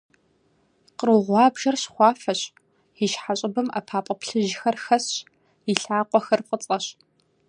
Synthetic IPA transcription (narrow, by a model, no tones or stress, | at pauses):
qəruʁʷɑːbʒɐrɕχʷɑːfɐɕ | iʃħaɕʼɪbɨma̰pʰaːpʼɐpɬɨʒɪxɐrxɐɕ | iɬaːqʷʼɔxɐrqʼət͡sʼɐɕ